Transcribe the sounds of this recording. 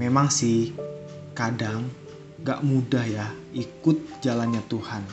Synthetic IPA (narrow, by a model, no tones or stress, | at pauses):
memaŋsɪh | kadaŋ | ɡaʔmudahjaʔikʊt̪̚d͡ʒalanɲat̪uhan